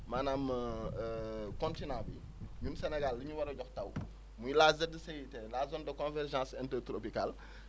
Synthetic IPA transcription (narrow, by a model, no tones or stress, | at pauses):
manaːm | kɔ̃ntinãːbi | ɲunsɛnɛɡalːiɲuwɐɾɐɟɔxtɐw | mujlaːzɛdəsɛjitɛlazɔndɐkɔ̃nvɛrʒãːsɛntɛɾtɾopikal